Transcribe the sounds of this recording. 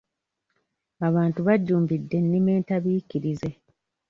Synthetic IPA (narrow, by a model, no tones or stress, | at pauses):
aβaːntuβaɟːuːmbidːe̞nːime̞ːntaβiːciɾize̞